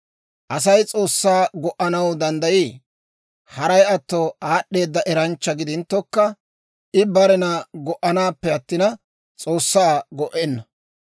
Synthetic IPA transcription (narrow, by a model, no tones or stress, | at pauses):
ʔɐsɐjt͡sʼo̞ːsːaːɡɔʔːɐnɐwd̪ɐnd̪ɐjiː | hɐɾɐjɐt̪ːɔaːɗːe̞ːd̪ːɐʔɛɾɐnt͡ʃːɐɡɪd̪ɪnt̪ːɔkːɐ | ʔɪbɐɾɛnɐɡɔʔɐnaːpːɛɐt̪ːɪnɐ | t͡sʼo̞ːsːaːɡɔʔɛnːɐ